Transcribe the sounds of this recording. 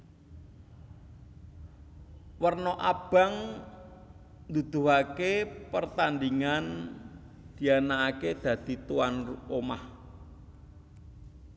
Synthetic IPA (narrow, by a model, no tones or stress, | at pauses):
wərnɔʔab̥a̤ŋ | nd̪ud̪̥ṳɦakepərt̪and̪iŋan | d̪̥i̤anaːked̪̥ä̤d̪̥i̤t̪uwanruomah